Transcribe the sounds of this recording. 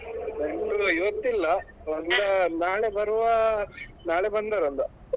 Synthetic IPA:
eɳʈuiʋɐt̪ːilːɐ | ɐlɐnaːɭebɐɾuʋɐnaːɭebɐnd̪aːɾɐnd̪ɐ

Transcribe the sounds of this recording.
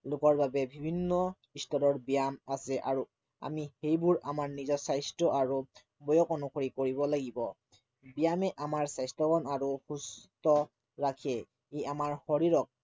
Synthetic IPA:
lʊkɔɹbabɛbʱibʱinːɔ | istɔɾɔɹbijamasɛʔaɹu | a̰mihejbʊɹamaɹnizɔsajstɹɔʔaɹu | bɔjɔkɔnukʰoɹikoɹibɔlaɡibɔ | bijamɛʔamaɹsajstɔkɔnaɹuxustɔ | ɹakʰɛ | eamaɹxoɹiɹɔk̚

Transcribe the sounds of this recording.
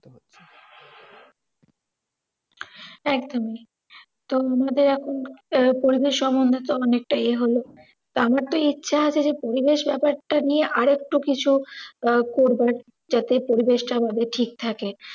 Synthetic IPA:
ɛkd̪omi | t̪oamad̪eɾɛkʰonpoɾibeʃːɔmbond̪ʱot̪oɔnek̚ʈajeɦolo | t̪oamaɾt̪oitːɕʰaat͡ɕʰed͡ʑepoɾibeʃbɛpaɾʈanieʔaɾek̚ʈukit͡ɕʰu | koɾbaɾ | d͡ʑat̪epoɾibeʃʈaamad̪eɾʈʰik̚t̪ʰake

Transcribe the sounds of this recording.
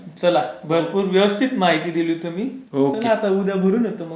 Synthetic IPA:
t͡səlabʱəɾpuːɾʋjəʋəst̪ʰit̪maɦit̪iːd̪iluːt̪um̤iːokneat̪aud̪abʱəɾuːnjət̪əmə

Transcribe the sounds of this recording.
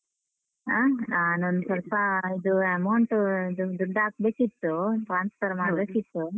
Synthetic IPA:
anaːnond̪usɐlpɐid̪uɛmawɳʈuid̪ud̪uɖːaːk̚beːkit̪ːuʈɾaːnspʰɐɾmaːbeːkit̪ːu

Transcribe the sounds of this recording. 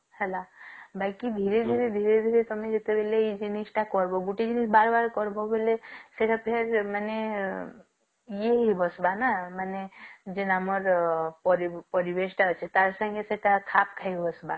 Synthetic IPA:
hɛlabakid̪ʱiɾed̪ʱiɾed̪ʱiɾed̪ʱiɾet̪ɔmed͡ʒet̪ebeleid͡ʒinisʈakɔɾboɡuʈid͡ʒinisbaɾbaɾkɔɾbobeleseʈapʰeɾmane | jeɦibɔsbanamaned͡ʒenamɔɾpɔɾipɔɾibesʈaɔt͡ʃʰet̪aɾsə̃ŋɡeseʈakʰapkʰaibɔsba

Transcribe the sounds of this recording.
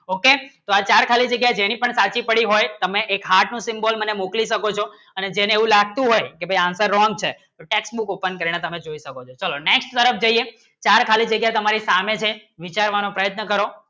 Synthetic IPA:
oket̪oat͡ʃaɾkʰalid͡ʒəɡjaed͡ʒenipəɳsat͡ʃipəɽiɦojt̪əmeʔekɦaʈnũsɪmbolmənemokliʃəkot͡ʃʰo | əned͡ʒeneeʋũlaɡ̚t̪ũɦojkebʱəjãnsəɾːɔ̃ŋɡ̚t͡ʃʰet̪oʈeksbukopənkəɾiɽ̃et̪əmed͡ʒoiʃəkot͡ʃʰot͡ʃəloneksʈt̪əɾəfd͡ʒəie | t͡ʃaɾkʰalid͡ʒəɡjaet̪əmaɾisamet͡ʃʰeʋit͡ʃaɾʋanopɾəjət̪nəkəɾo

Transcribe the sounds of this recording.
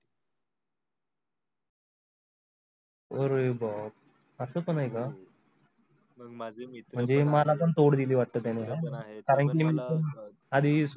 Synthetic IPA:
oɾebɔp̚ | əsəːpəɳɦajka | m̤əɳd͡zemalap̬əɳt̪oɽd̪iliːʋaʈ̚t̪ət̪eneɦɛkaɾəɳkimiːtən | ad̪ʱis

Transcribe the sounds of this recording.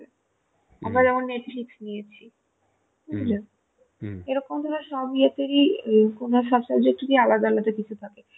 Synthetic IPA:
amɾad͡ʑɛmonːeʈfiksnijet͡ɕʰi | iule | eɾɔkomd̪ʱɔɾaɾʃɔbiat̪eɾikonoɾʃɔbsɔbd͡ʑek̚ʈud̪ialad̪alat̪ekit͡ɕʰut̪ʰake

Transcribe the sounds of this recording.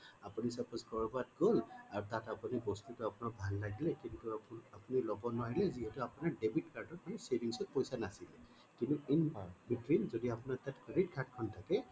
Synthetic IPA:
apunisapɔskɔɹbɔat̚ɡolaɹutatapunibɔstutʊapʊnɔbʱalːaɡilɛkintuapunilɔbɔnaɦilɛziɦɛtuapunaɹdebʱitkaɹtɔtmanisebʱiŋsɔt̚pɔjsanasilɛ | kintuinbitwinzodiapunatatkɹeditkʰaɹtkʰɔntʰakɛ

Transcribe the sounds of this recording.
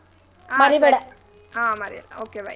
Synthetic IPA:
mɐɾiʋɛɽɐ | amɐɾiʋɽoːkeʋa̰

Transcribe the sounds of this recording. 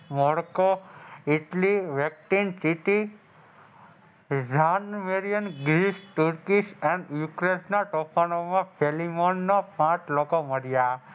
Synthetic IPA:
mɔɽkoiʈliʋɛk̚ʈinsiʈi | d͡ʒanmeɾijənɡɾiʃʈuɾkiʃɛnjukɾesnaʈɔpʰanomãpʰelimɔnːɔpãt͡ʃlokoməɾja

